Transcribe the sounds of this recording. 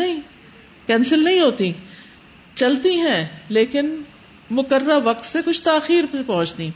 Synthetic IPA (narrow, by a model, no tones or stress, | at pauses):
nɐɦĩ | kɛ̃ːnsɪlnɐɦĩɦoːt̪i | t͡ʃɐlt̪iɦɛ̃leːkɪn | mʊkəɾːaʋɐk̚t̪sekʊt͡ʃʰt̪aːxiːɾppɐ̃ɦʊ̃t͡ʃt̪ĩː